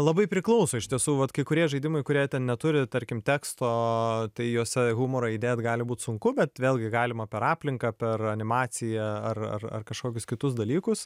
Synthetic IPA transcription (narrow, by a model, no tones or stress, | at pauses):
lˠɐbɐɪpʲɾʲɪklˠɐʊsoːɪʃʲt̪ʲiɛsuːʋɐt̪kɐɪkʊɾʲiɛʒɐɪd̪ʲɪmɐɪkʊɾʲiɛt̪ʲɛnnʲɛt̪ʊɾʲɪt̪ɐɾʲkʲɪmt̪ʲæːkst̪oːt̪ɐɪjoːsʲɛɣumoːɾoid̪ʲeːjt̪ɡɑːlʲɪbuːt̪sʊŋkʊbʲɛt̪ʋʲeːlʲˠɡʲɪɡɑːlʲɪmɐpʲɛɾɑːpʲlʲɪŋkɐːpʲɛrɐnʲɪmɑːt͡ssʲɪjɛɐrɐ̰rɐ̰rkɐʃkoːkʲʊskʲɪt̪ʊsd̪ɐlʲiːkʊs